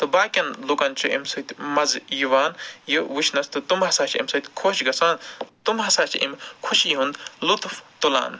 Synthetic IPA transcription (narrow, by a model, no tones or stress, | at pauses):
t̪ɐbaːkʲɐnlukɐnt͡ʃʰuʔḛmsɐt̪ʲmɐzjiʋaːnjiʋut͡ʃʰnɐst̪ɨt̪umhɐsaːt͡ʃʰɐ̰mʲsɐt̪ʲkʰoːt͡ʃɡɐsaːnt̪umɦɐsaːt͡ʃʰʔḛmkʰuʃiɦund̪lut̪ft̪ola̰ːn